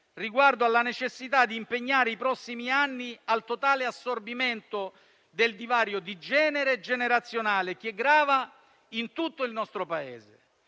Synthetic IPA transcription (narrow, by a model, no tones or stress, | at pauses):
riɡward̪oalːanet͡ʃesːit̪ad̪ːiːmpeɲːaːɾeipɾɔsːimianːialt̪ot̪aːleasːorbiment̪o | d̪eld̪ivaːɾjod̪id͡ʒɛːneɾed͡ʒeneɾat̪sːjonaːlek̟ɛɡːɾaːva | int̪ut̪ːoilnɔst̪ɾopaḛːzḛ